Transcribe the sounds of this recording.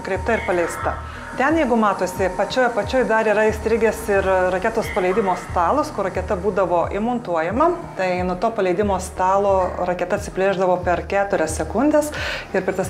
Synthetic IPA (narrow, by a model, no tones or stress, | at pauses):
kɾʲɛɪp̚t̪ɐɪɾpɐlʲɛɪst̪ɐ | t̪ʲɛnjɛɪɡʊmɑːt̪oːsʲɪpɐt͡ʃʲoːjɐpɐt͡ʃʲoːjd̪ɐɾiːɾɐɪsʲt̪ʲɾʲɪɡʲesɪɾrɐkʲɛːt̪oːspɐlʲɛɪd̪ʲɪmoːst̪ɑːlˠoskʊɾɐkʲɛt̪ɐbuːd̪ɐʋoːʔɪmɔnt̪uɔjɛmɐt̪ɐɪnut̪oːpɐlʲɛɪd̪ʲɪmoːst̪ɑːlˠoːɾɐkʲɛt̪ɐt̪sʲɪpʲlʲeːʒd̪ɐʋoːpʲɛɾkʲæːt̪ʊɾʲɛssʲɛkʊnʲd̪ʲesɪɾpʲɛt̪ɐs